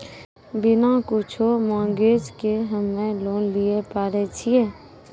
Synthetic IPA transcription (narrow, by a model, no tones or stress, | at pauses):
bɪnakʊt͡ʃʰomɔ̃ːŋɡeːd͡ʒkeɦəmːẽloːnliepaːɾet͡ʃʰieː